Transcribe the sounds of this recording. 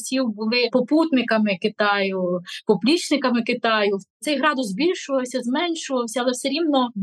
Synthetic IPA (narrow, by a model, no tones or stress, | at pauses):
sʲiwbʊlˠɪpɔput̪nɪkɐmɪkɪt̪ɑjʊpɔplʲit͡ʃnɪkɐmɪkɪt̪ɑjʊt̪sɛjɦɾɑd̪ʊzzbʲilʲʃʊʋɐwsʲɐzmɛnʃʊʋɐwsʲɐɐlˠɛwsɛɾʲimnɔ